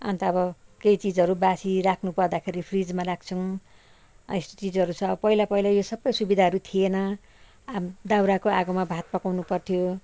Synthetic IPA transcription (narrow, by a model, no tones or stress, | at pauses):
ã̰nt̪ʌːbʌkejt͡sid͡zʌɾubasiɾakʰnupʌrd̪akʰeɾipʰrid͡zmaraɡ̚t͡sʰʌŋ̃ | est̪o̥t͡sid͡zɦʌɾut͡sʰʌ̃ʌbʌpʌilapʌilajosʌbʌjsubid̪ʱaɦʌɾut̪ʰienʌ | amd̪awɾakoaɡʌmabʱat̪̚pʌkawnupʌrt̪ʰijo